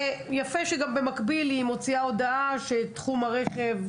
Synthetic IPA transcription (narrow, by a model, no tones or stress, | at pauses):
jafeʃeɡambe̞makbilimo̞t͡siao̞daaʃe̞tχumaʁe̞χe̞v